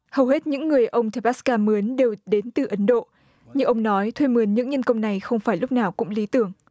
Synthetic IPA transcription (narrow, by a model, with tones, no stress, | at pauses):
hə˨˩whe˦˥t̚ɲɨ̰˧˥ŋːɨ˨˩əjʔə˧wŋ͡mt͡ɕa˧˩ɓaː˦˥skaː˧mɨ˨˦ənɗe˨˩wɗe˨˦nt̪ɨ˨˩ʔə˨˦nɗo̰˧˨ | ɲɨ˧ŋʔə˧wŋ͡mnɔ˨˦jt̪ʰwe˧mɨ˨˦ənɲɨ̰˧˥ŋɲə˧nkə˧wŋ͡mna˨˩jxə˧wŋ͡mfaː˧˩jlʊ˦˥k͡p̚naː˨˩wkʊ̰˧˥ŋ͡mli˨˦t̪ɨ˧˩əŋ